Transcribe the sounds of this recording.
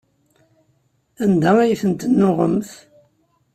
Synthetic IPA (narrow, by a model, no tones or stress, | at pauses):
ænd̪æwæjθənt̪nːoʁə̰mθ